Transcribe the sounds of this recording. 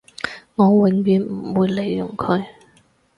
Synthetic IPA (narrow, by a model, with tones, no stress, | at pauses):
ŋɔː˨˧wɪ˨˩ŋmiː˨˧nm̩˨˩wuː˨˧jle˨˩jːʊ˨˩ŋkʰɵ˨˧ɥ